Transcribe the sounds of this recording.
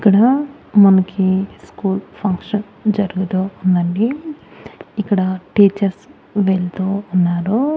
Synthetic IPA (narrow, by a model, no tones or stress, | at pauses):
ikːɐɽɐ | mɐnɐkʰiskuːlpʰɐŋkʂɐn | d͡ʒɐɾuɡut̪uːnd̪ɐɳɖi | ikːɐɽɐʈiːt͡ʃɐɾs | ʋeɭt̪uːnːaːɾu